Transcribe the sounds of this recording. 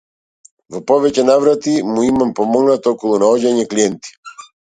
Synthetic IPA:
vɔpɔvɛcɛnavɾat̪imuimampɔmɔɡnat̪ɔkɔlˠunaɔɟaɲɛkliɛnt̪i̥

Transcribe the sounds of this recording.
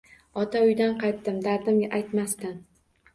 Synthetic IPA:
ɒt̪ʰaʊjd̪anqɑjt̪ːɪmd̪aɾd̪ɪmɡʲaʔajt̪mast̪ɪn

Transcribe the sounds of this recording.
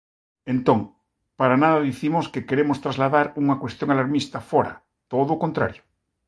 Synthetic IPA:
ẽnt̪oŋ | paɾanaðaðiθimoskekeɾemost̪ɾazlaðaɾuŋakwe̞st̪joŋalaɾmist̪afoɾa̰ | t̪oðoːkont̪ɾa̰ɾjo̥

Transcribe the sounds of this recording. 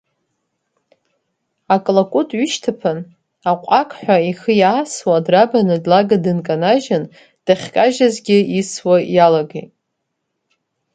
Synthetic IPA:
akʼlakʷʼutʼɥyʃtʰapʰɨn | aqʷʼakʼħᶣʷaixəjaːswadrabanɨdlaɡadɨnkʼanaʒan | d̥aχʲkʼaʒazɡʲɪiswajalaɡejtʼ

